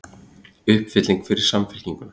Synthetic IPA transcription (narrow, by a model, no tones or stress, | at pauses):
ʏhpfɪt̪liŋkfɪɾɪɾ̥samfɛl̥ciŋkʏna